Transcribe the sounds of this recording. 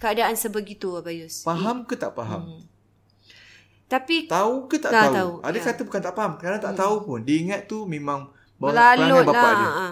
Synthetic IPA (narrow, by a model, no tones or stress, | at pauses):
kəadaʔansəbəɡit̪ubajʊspaɦamkət̪aʔpaɦa̰m | t̪apit̪aukət̪aʔtauauadakat̪əbukant̪aʔpaɦamkəɾnat̪aʔt̪aupʊndiːŋat̪̚ːumẽmãŋ | balaubalaaəã